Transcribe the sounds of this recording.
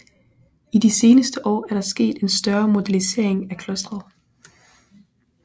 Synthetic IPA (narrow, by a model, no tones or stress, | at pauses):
id̥ise̝ːnəsd̥əʔɒ̰ːæɐɾ̥ɑ̈sɡ̥e̝̰ːd̥e̝nsd̥ɶɐmo̝d̥ælise̝̰ɐ̰e̝ŋækʰlɔsd̥ʁɐðˠ